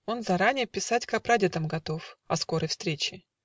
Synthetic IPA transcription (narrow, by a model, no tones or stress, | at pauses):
o̞nzɐɾanʲɪjəpʲɪsatʲkɐpɾadʲet̪əmɡɐt̪o̞fɐsko̞ɾəjfst̪ɾʲet͡ɕɪ